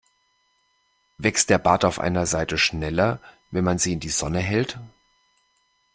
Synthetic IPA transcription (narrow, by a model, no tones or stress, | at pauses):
vɛkst̚d̥eːɐbaːɐtaʊfʔa̰ɪnɐzaɪtəʃnɛlɐ | vɛnmanziːɪndiːzɔnəɦɛlt